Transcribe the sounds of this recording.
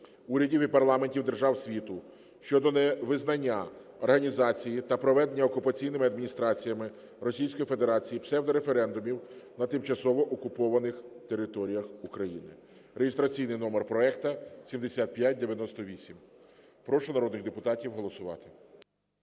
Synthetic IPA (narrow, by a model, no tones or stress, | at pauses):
uɾʲɐdʲiwipɐrlˠɑmenʲtʲiwd̪erʒɑwsʲʋʲit̪ʊ | ʃt͡ʃɔd̪ɔnɛʋɪznɐnʲːa | ɔrɦɐnʲizɑt͡sʲijit̪ɐpɾɔʋɛd̪enʲːɐɔkʊpɐt͡sʲijnɪmɪɐd̪mʲinʲist̪ɾɑt͡sʲijɐmɪ | rɔsʲijsʲkɔjife̞d̪eɾɑt͡sʲijipsɛwd̪ɔɾefeɾɛnd̪ʊmʲiwnɐt̪ɪmt͡ʃɐsɔʋɔʔɔkʊpɔʋɐnɪxt̪e̞ɾɪt̪ɔɾʲijɐxukɾɐjinɪ̰ | reɦɪst̪ɾɐt͡sʲijnɪjnɔmerpɾɔɛkt̪ɐsʲimd̪esʲat̪̚pʲjat̚ʲd̪eʋʲjɐnɔst̪ɔʋʲisʲim | pɾɔʃʊnɐɾɔd̪nɪɣd̪epʊt̪ɑtʲiwɦɔlˠɔsʊʋɑ̰t̪ɪ̥